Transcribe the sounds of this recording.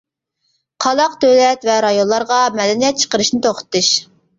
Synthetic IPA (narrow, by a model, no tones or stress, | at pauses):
qʰɑlˠɑqd̪ølɛt̪vɛɾɑjonlˠɑɾʁɑmɛd̪ɛnijɛt̪̚t͡ʃʰə̥qəɾɨʃnɪt̪ʰoqʰə̥t̪ːɨʃ